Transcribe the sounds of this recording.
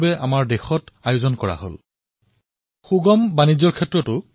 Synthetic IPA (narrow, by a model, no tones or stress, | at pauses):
bɛamaɹdexɔtajʊzɔnkɔɹa̰ɦo̰l | xuɡɔmbanizɔɹkʰɛtɹɔtʊ